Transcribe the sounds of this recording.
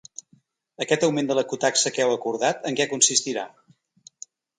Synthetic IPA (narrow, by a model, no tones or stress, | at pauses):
əkɛt̪əwmend̪ələkut̪aksəkɛwəkuɾðat̪əŋkɛkunsist̪iɾa̰